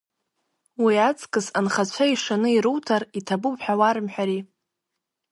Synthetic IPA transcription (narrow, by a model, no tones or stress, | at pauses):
wiat͡sʼkʼɨzanχat͡ɕʷʰaiʂanɨiɾuwtʰaritʰabupħᶣawaɾɨmħᶣaɾi